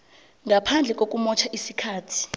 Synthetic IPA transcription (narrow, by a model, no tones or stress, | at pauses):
ŋɡʱapʰand͡ɮʱɛk̬ʼok̬ʼumɔt͡ʃʰaʔisikʰaːtʰi̥